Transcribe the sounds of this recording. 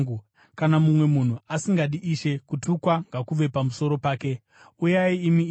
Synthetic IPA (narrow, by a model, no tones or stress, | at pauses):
u | kanamumwe̞mun̤uasiŋɡaɗiʔiʃe̞kutukwaŋɡakuʋe̞pamuso̞ɾo̞paːke̞ | ujaiːmi